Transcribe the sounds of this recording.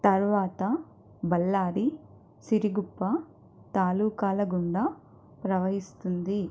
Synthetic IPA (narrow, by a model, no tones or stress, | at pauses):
t̪ɐɾʋaːt̪ɐ | bɐlːaːɾi | siɾiɡupːɐ | t̪aːluːkaːlɐɡuɳɖɐ | pɾɐʋɐɦist̪und̪i